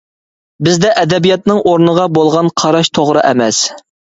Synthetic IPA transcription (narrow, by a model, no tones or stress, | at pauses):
bɪzd̪ɛʔɛd̪ɛbijɑt̪̚nɨŋʔoɾnəʁɑbolˠʁɑnqʰɑɾɑʃt̪ʰoʁɾɨʔɛmɛs